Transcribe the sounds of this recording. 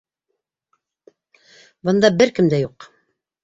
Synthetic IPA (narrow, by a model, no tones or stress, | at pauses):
bɤ̆nd̪ɑbɘɾkɘmd̪æjuq